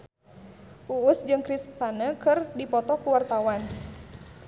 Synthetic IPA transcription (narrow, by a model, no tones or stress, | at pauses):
ʔuːsd͡ʒɨŋkɾispanəkɨrdipɔt̪ɔkuwart̪awan